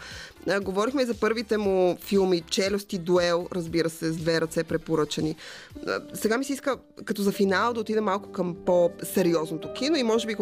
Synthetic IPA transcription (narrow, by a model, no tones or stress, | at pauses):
ɡovɔɾixmɛizɐpɤɾvit̪ɛmufilˠmit͡ʃɛlʲost̪id̪uɛlˠɾəzbiɾəsɛzd̪vɛɾɐt̪sɛpɾɛpoɾɤt͡ʃɐnḭ | sɛɡamisiiskə | kɐt̪ɔzɐfinalˠd̪ɐot̪id̪ɛmalˠkʊ̥kəmposɛɾiɔznot̪okinoimɔʒɛbik